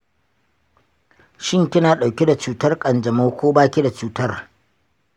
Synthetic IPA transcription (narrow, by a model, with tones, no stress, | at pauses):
ʃɪ˦ŋkʲɪ˦naː˨ɗa˨wkʲi˦da˨t͡ʃuː˨tɐ˦rkʼɐ˨nd͡ʒɐ˨moː˦kʷoː˦baː˦kʲi˦da˨t͡ʃuː˦tɐ˦r